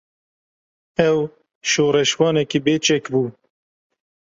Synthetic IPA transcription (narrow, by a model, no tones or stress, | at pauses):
ɛw | ʃoːɾɛʃwɑːnɛkibeːt͡ʃɛkbuː